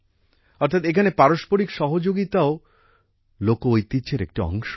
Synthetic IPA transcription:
ɔɾt̪ʰat̪ekʰanepaɾoʃpoɾikʃɔɦod͡ʑoɡit̪ao | lokoojt̪it͡ɕeɾḛk̚ʈiɔ̰ŋʃo

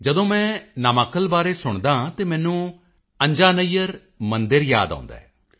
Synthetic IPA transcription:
d͡ʒəd̪õːmɛ̃ːnaːmaːkəlbaːɾeːsʊɳd̪ãːt̪eːmɛ̃ːnũː | əɲd͡ʒaːnəijəɾ | mənd̪əɾja̰ːd̪ã̰ːnd̪a̰ːɛː

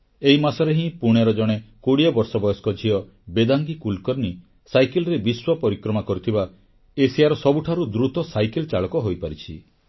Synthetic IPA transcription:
eɦimasɔɾeɦĩpuɽ̃eɾɔd͡ʒɔɽ̃ekoɽiabɔɾsɔbɔjɔskɔd͡ʒʱiɔ | bed̪aŋɡikulkɔɾni | sajkelɔɾebiswɔpɔɾikɾɔmakɔɾut̪ʰiba | esijaɾɔsɔbuʈʰaɾud̪ɾut̪ɔsajkelt͡ʃaɭɔkɔɦojpaɾit͡ʃʰḭ

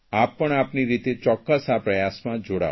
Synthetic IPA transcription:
apːəɳapniɾit̪et͡ʃɔkːəsapɾəjasmãd͡ʒoɽa̰

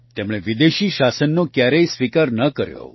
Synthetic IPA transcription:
t̪emɭ̃ẽʋid̪eʃiʃasənːokjaɾeisʋikaɾnəkəɾjo̰

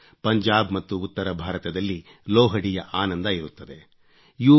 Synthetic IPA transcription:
pɐɲd͡ʒaːbmɐt̪ːuːt̪ːɐɾɐbʱaːɾɐt̪ɐd̪ɐlːi | loːɦɐɽijɐʔaːnɐnd̪ɐiɾut̪ːɐd̪e̞ | juː

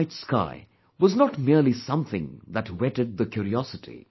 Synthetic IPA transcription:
tska̰ɪ | wʌznətmiɹlisʌ̃mθɪ̰̃ŋðətwɛɾɨd̪̚ðəkʰjuɾiɔsɨtʰḭ

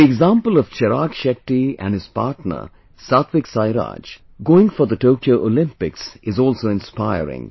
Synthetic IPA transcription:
d̪ieɡzãmpəlɔʋ̥t͡ʃʰɛɾaːkʃɛʈːiæ̰̃nɪz̥pa̰ːɾʈnə̰ | saʊt̪ʰʋɪksaɪɾa̰ːd͡ʒ | ɡoːɪ̃ŋfɔɾd̪əʈoːkioʊʔolɪ̃mpɪksɪzɔːlsoɪ̃nspaɪə̰ɾɪ̰̃ŋ

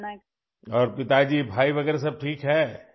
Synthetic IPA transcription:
ɔːɾpɪt̪ad͡ʒiːbʱaːiʋɐɡɛːɾes̬ɐb̚ʈʰiːkɦɛː

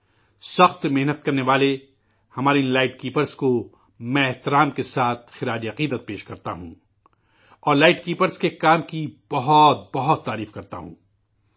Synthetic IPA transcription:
sɐxt̪meɦnət̪̚kɐɾneʋaːle | hɐmaːɾenlaːɪʈkiːpəɾzko | mɛ̃ɪht̪ɪɾaːmkesaːt̪̚ʰxɪɾaːd͡ʒiɐqiːd̪ət̪̚peːʃkɐɾt̪a̰ɦṵ̃ː | ɔːɾlaːɪʈkiːpəɾzkekaːmkib̥ɐɦɔt̪̚bɐɦʊt̪ːaːɾiːfkɐɾt̪a̰ɦṵ̃ː

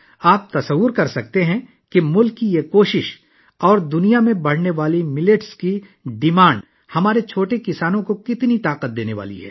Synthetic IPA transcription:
aːp̚t̪ɐsɐʋːʊɾkɐɾsɐk̚t̪eɦɛ̃ | kimʊlkːijekoːʃɪʃ | ɔːɾd̪ʊnijamẽbɐɽ̤neʋaːlimɪlɪʈski | ɖɪmãːɳɖ | hɐmaːɾet͡ʃʰoːʈekɪsaːnõkokɪt̪nit̪aːqət̪̚d̪eːneʋa̰ːlḭɦɛ̰ː

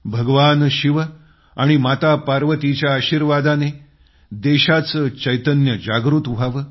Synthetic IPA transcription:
bʱəɡʋanɕiʋə | aɽ̃imat̪apaɾʋət̪it͡ɕjaːɕiːɾʋad̪ane | d̪eɕat͡səːt͡ɕəjt̪ənjəd͡ʑaɡɾut̪ʋʱaʋə

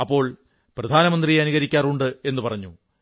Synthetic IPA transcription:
ɐpːo̞ːɭ | prɐd̪ʱaːnɐmɐnd̪rijeɐniɣɐɾikʲːaːruɳɖɨe̞nːupɐrɐɲːu

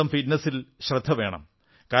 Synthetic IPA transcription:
ɐmfitnɐsilɕrɐd̪ʱːɐʋe̞ːɳɐ̰m | kaː

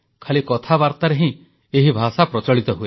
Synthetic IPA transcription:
kʰalikɔt̪ʰabaɾt̪aɾeɦĩ | eɦibʱasapɾɔt͡ʃɔɭit̪ɔɦue

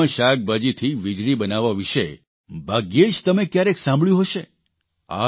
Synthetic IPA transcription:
əʃaɡ̚bad͡ʒit̪ʰiʋid͡ʒɭibənaʋaʋiʃe | bʱaɡeʃt̪əmekjaɾeksãmbɭjũɦəʃe | a̰

